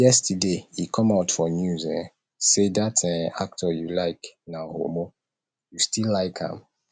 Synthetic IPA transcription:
jɛstdeikʰɔ̃maʊtfɔnjuzɛ̃ | sedatə̃na̰k̚tʰɔjulaɪknaho̰mo | justilːaɪkhã̰m

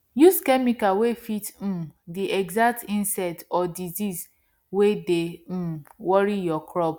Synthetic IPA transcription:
juskɛmikawefitm̩diʔɛɡzak̚tĩnsɛtɔdiziz | wede | wɔɾijɔkɾɔp

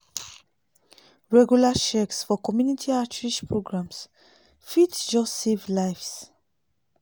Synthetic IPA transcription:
ɹɛɡjulaʃɛksfɔkɔmjunitʰiatɹiʃpʰɹoɡɹãms | fitd͡ʒɔstsevlaɪfs

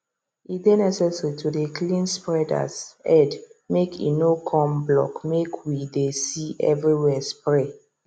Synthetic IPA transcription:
it̚denɛsɛsaɹitʰudeklĩnspɹɛda̰sɛdmekʰḭnokʰɔ̃mblɔ̰kmekʰwidesiɛ̰vɹiwɛspɹɛ

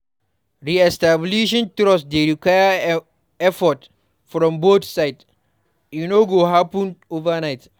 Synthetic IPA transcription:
ɹiɛstabliʃɔ̃ntɾɔsdeɹikwajə | ɛfɔt | fɾɔ̃mbotsaɪd | junoɡoɦapə̃ndovanaɪt

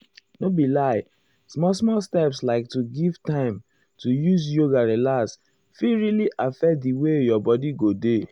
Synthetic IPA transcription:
nobilaɪ | smɔsmɔstɛpslaɪk̚tuɡivtãɪ̃m | tujus̬joɡaɹelas | fiɹiliʔafɛk̚diwejɔbɔdiɡode

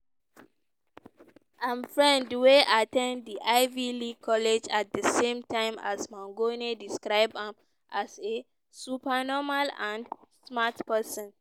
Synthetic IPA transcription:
ʔãmfɹɛ̃ndweʔatɛ̃nddiʔaɪvilikʰɔled͡ʒat̚dəsẽmtʰãɪ̃ma̰smãŋɡonediskɹaɪbãm | ʔase | supanɔmalãndsmatpɛsɔ̃n

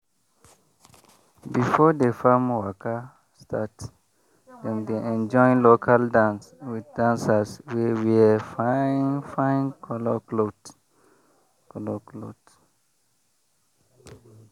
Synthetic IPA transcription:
bifɔdefamwaka | stʰat | dɛ̃mdeʔɛ̃nd͡ʒɔ̃ɪ̃nlokʰaldãns | widdãnsaswɛwiafaĩŋfãɪ̃nkʰɔlɔklot | kɔlɔklo̰t

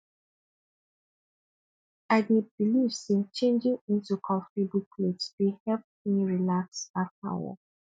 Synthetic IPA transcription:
aɪdebiliv̥set͡ʃẽnd͡ʒĩŋĩntukʰɔ̃fibukʰlidsdehɛlp̚miɹilaksapʰa̰wə̰

